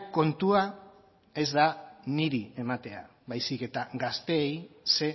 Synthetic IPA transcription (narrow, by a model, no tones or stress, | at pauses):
ko̞nt̪ua | e̞zd̪aniɾie̞mat̪e̞a | βajsike̞t̪aɡast̪e̞ːjse̞